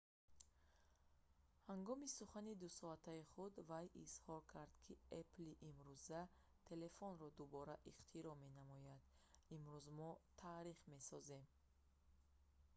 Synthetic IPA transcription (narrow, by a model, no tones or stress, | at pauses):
haŋɡɔmisuχanid̪usɔat̪ʰaiχud̪vajʔishɔɾkʰaɾd̪̥kʰiepliʔimɾuza | t̪ʰe̞le̞fɔnɾɔd̪ubɔɾaʔiqt̪ʰiɾɔme̞namɔjad̪̥imɾuzmɔt̪ʰaɾiχme̞sɔze̞m